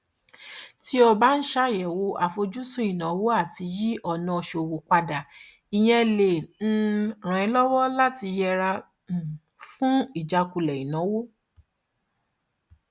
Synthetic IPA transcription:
ti˦ɔ˧ba˦n̩˦ʃa˦jɛ˨wo˧ʔa˨fo˧d͡ʒu˦sũ˦ĩ˦˨nã˨˦wo˦a˦˨ti˧ji˦ʔɔ˦˨nã˧ɔ˧˨ʃo˨wo˨k͡pa˧da˨ | i˨j̃ɛ̃˧le˨n̩˦ɾ̃ã˨ĩ˧˦lɔ˦wɔ˦la˦ti˧jɛ˧ɾa˧˨ | fũ˦i˦˨d͡ʒa˧ku˧lɛ˨i˨nã˨˦wo˦

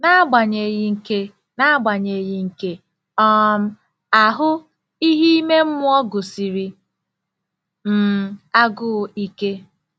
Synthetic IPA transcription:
na˦a˦ɡ͡ba˨ɲe˨ɣɪ˦ŋ̩˦ke˦ | na˦ɡ͡ba˨ɲe˨ɣɪ˦ŋ̩˨ke˦ | ɔ˦m̩˦ | a˨ɦʊ˦ | i˦ɦi˦me˦m̩˦mʊ˦ɔ˦ɡʊ˨si˨ɾi˦ | m̩˦˨a˦ɡʊ˦˨i˦ke˦

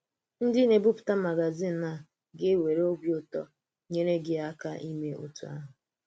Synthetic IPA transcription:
n̩˦dɪ˦ne˨bʊ˦pʊ̥˨ta˦ma˨ɡa˨zi˦˨n̩˨˦na˨ | ɡɪ˦we˨ɾe˦o˦bjo˦tɔ̰˦ | ɲe˦ɾe˦ɡɪ˦a˦ka˦ʔi˦me˦ʔo̰˨tu˨˦a̰˦ɦʊ˨

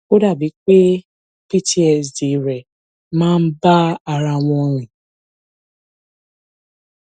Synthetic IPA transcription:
o˦da˦˨bi˨˦k͡pe˦ | pi˦ti˨˦ɛ˨s̬di˨ɾɛ˨ | mãː˦n̩˦ba˦a˨ɾa˧w̃ɔ̃˧ɾĩ˨

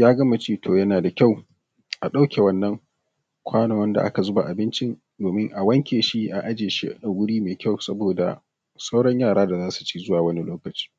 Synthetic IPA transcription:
jaː˦ɡɐ˦ma˨t͡ʃeː˦tʰoː˨jɐ˦naː˨da˨kʲa˦˨w | ʔa˨ɗa˦wkʲe˨wɐ˦nːɐ˦ŋ | kʷʰaː˦nɐ˨wɐ˦nda̰˨ʔa̰˦ka˨zʊ˦ba˨ʔa˨bɪ˦nt͡ʃɪ˦n | doː˨mɪ˦ŋʔa˨wɐ˦ŋkʲeː˨ʃi˦ʔa˨ʔa˦d͡ʒeː˨ʃi˦ʔʔa˨wʷʊ˦ɽiː˦meː˨kʲa˦˨wsɐ˦boː˨da̰˨ | sa˦wɽɐ˦ɲjaː˦˨ɽaː˦da˨zaː˦su̥˨t͡ʃiː˦zʊ˦waː˨wɐ˦ni˦loː˦kɐ˨t͡ʃi̥ː˦

